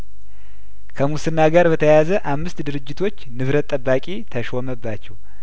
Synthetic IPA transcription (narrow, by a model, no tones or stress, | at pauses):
kʰəmusɨnːaɡaɾbət̪ʰəjazəʔamːɨst̪d̪ɨɾɨd͡ʒːɪt̪ʰo̞t͡ʃːnɨβɾət̪ʼːəbːakʼit̪ʰəʃoməbːat͡ʃːɛw